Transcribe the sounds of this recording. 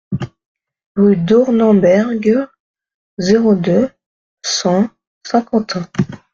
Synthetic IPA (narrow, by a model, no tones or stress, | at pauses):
ʁyd̪ɔʁnɑ̃bɛʁɡ | zeʁod̪ø | sɑ̃ | sɛ̃kɑ̃t̪ɛ̃